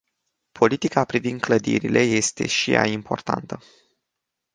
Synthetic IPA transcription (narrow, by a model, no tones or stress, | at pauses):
pʰo̞lit̪ikapɾivind̪̚kləd̪iɾilʔe̞je̞st̪e̞̰ʃija̰impʰo̞rt̪a̰nt̪ə